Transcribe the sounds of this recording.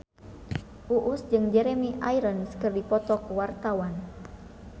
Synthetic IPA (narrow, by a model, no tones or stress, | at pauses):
ʔuʔusd͡ʒɨŋd͡ʒɛɾɛmiʔajɾənskɨrdipɔt̪ɔkuwart̪awan